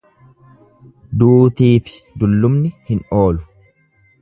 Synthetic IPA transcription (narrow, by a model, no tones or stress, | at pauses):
d̪uːt̪iːfɪ̥ | d̪ʊlːʊmnɪhɪno̞ːlʊ̥